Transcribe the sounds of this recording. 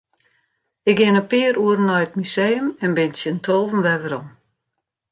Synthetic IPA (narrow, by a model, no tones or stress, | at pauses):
ɪkɪnəpɪəɾuəɾənːɔjət̚mysejəmɛnbɪnsjəntʰoːvən̩ʋɛʋəɾɔm